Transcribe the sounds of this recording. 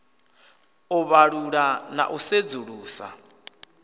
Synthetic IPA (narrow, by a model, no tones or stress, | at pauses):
uβaɺuɺana̰ʔused͡zuɺuːsa̰